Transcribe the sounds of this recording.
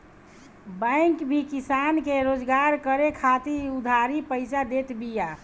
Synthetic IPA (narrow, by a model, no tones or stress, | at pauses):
bə̃ɪŋkbʱikisankeɾod͡ʒɡaɾkəɾekʰat̪iud̪ʱaɾipəɪsad̪et̪bija